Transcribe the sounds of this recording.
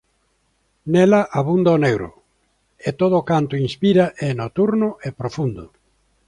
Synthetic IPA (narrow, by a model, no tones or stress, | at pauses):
nɛlaʔaβund̪aonewɾʊ̰ | et̪oð̞oːkant̪ʊinspiɾaʔenot̪uɾnʊʔepɾofund̪ʊ